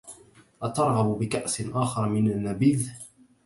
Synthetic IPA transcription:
ʔat̪ɑɾˤɣɑbbɪkaʔsʔaːxɑɾˤmɪnanːabiːð

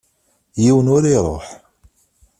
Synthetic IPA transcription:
jiwənʊɾiɾˤo̰ħ

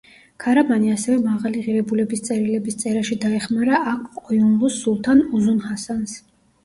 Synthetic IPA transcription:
kʰaɾamaniasɛvɛmaʁaliʁiɾɛbulɛbist̪sʼɛɾilɛbist̪sʼɛɾaʃid̪aɛχmaɾaakʰkʼɔjunlˠusːulˠt̪ʰanuzunhasans

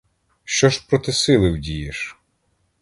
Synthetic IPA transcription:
ʃt͡ʃɔʃpɾɔt̪ɪsɪlˠɪwdʲijɪʃ

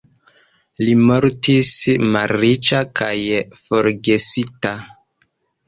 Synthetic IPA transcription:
limoɾtismalːit͡ʃakajfoɾɡesita

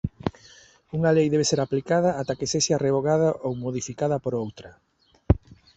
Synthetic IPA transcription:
uŋalejðɛβeseɾaplikað̞ɐat̪akeseʃareβoɣaðaʔowmoðifikaðɐpoɾowt̪ɾɐ

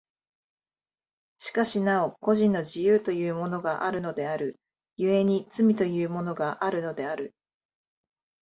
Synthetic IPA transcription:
ɕi̥kaɕinao̞ko̞ʑĩnːo̞ʑijɯːt̪o̞jɯ̟ːmo̞no̞ɡaʔaɾɯ̟no̞d̪e̞aɾɯ̟ | jɯ̟e̞ɲ̟it͡sɨmʲit̪o̞jɯ̟ːmo̞no̞ɡaʔaɾɯ̟no̞d̪e̞aɾɯ̟

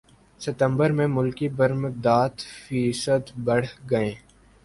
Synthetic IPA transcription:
sɪt̪ə̃mbəɾmẽmʊlkibəɾmd̪aːt̪fiːsəd̪bɐɽ̤ɡɐẽː

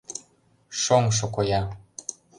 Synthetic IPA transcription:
ʃoŋʃ̬okojɑ

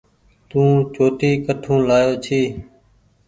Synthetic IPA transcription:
t̪ũːt͡ʃoːt̪iːkəʈʰũːlaːjoːt͡ʃʰiː

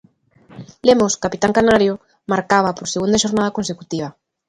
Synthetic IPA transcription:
lemoskapit̪aŋkanaɾjo | maɾkaβ̞apoɾseɣund̪aʃoɾnað̞ɐkonsekut̪iβ̞ɐ

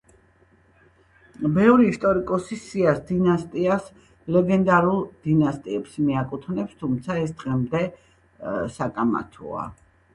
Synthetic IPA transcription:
bɛvɾiːst̪ʼɔɾikʼɔsisiasd̪inast̪ʼias | lɛɡɛnd̪aɾulˠd̪̥inast̪ʼiɛpsmiakʼut̪ʰnɛpst̪ʰumt̪sʰaɛsd̪ʁɛmd̪ɛ | sakʼama̰t̪ʰɔ̰a̰

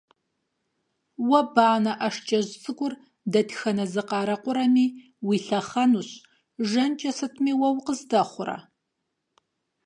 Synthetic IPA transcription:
wɐbaːnɐʔɐʂt͡ʃʼɐʑt͡sʼɨɡʷʼʊr | dɐtʰxɐnɐzɨqɑːɾɐqʷʊɾɐmiː | wiɬɐχɐnuɕ | ʒɐnt͡ʃʼɐsɨtʰmiːwɐwqəzdɐχʷʊrɐ̰

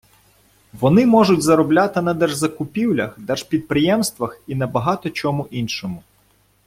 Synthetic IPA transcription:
ʋɔnɪmɔʒʊtʲzɐɾɔblʲat̪ɪnɐd̪ɛrʒzɐkʊpʲiwlʲɐ̰xd̪ɛrʒ̥pʲid̪̚pɾɪjɛmst̪ʋɐxinɐbɐɦɑt̪ɔt͡ʃɔmuʔinʃɔmʊ

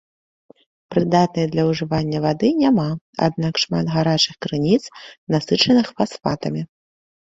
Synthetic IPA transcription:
pɾɨd̪at̪̚nɨjɐd̪lʲɐwʐɨvanʲːɐvad̪ɨnʲama | a̰d̪̚nakʂmat̪ɣaɾat͡ʂɨxkɾɨnʲit̪snasɨt͡ʂɐnɨxfasfat̪ɐmʲi

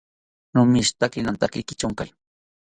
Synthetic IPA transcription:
nʊmɪst̪akɪnant̪akɪkɪt͡ʃaŋkaj

